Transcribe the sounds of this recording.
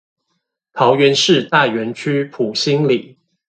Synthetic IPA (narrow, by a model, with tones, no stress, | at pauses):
t̪ʰɑ˨˧˥ʊɥɛ˨˦nʂɻ̩˥˧t̪a˥˩ɥɛ˨˥nt͡ɕʰy˥pʰu˨˩ɕi˥ŋli˨˩˦